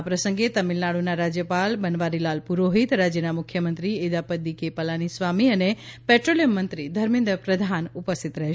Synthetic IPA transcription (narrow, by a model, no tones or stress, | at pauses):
apɾəsəŋɡet̪əmilnaɽunaɾad͡ʒjəpalbənʋaɾilalpuɾoɦit̪ɾad͡ʒjənamʊkʰjəmənt̪ɾied̪apəd̪ikepəlanisʋamiənepɛʈɾolijəmːənt̪ɾid̪ʱəɾmɪ̃nd̪ɾəpɾəd̪ʱanupəst̪ʰit̪ɾəɦe